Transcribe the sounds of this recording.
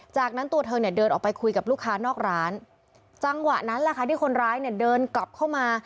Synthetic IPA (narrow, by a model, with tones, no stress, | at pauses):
t͡ɕaː˨˩k̚na˦˥nt̪u˧ɐt̪ʰɤː˧ŋni˥˩ɐdɤː˧nʔɔː˨˩pa˧jkʰu˧jka˨˩pluː˥˩kʰːaː˦˥nɔː˥˩k̚ɾaː˦˥n | t͡ɕa˧ŋwa˨˩ʔna˦˥nlɛ˨˩kʰa˥˩t̪ʰiː˥˩kʰo˧nɾaː˦˥jni˥˩ɐdɤː˧nkla˨˩p̚kʰa˥˩wmaː˧